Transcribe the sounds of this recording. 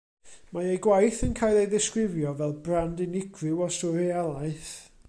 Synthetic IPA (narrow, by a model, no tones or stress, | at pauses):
maejɡwajθənkʰaːjlˠejðɪskɾɪvjɔvɛlˠbrandɪnɪɡʰrɪwɔstɔɾialˠaɨθ